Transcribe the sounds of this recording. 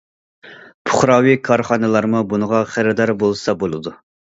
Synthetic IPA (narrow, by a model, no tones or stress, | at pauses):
pʰʊχɾɑːwikʰɑɾχɑnɨlˠɑɾmubunəʁɑχɪɾɪd̪ɑɾbolˠsɑbolˠɨd̪u